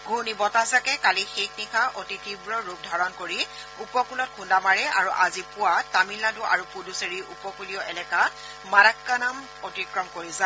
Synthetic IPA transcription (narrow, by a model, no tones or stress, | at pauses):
ɡʱunibɔtazakɛkalixeknikʰaʔotitibɹɔɹup̚dʱaɹɔnkoɹi | upɔkulɔtkʰundamaɹɛa̰ɹuʔazipʊwatamilːaduʔa̰ɹupuduseɹiʔupɔkuliɔʔɛlɛka | maɾakːanam | otikɹɔmkoɹiza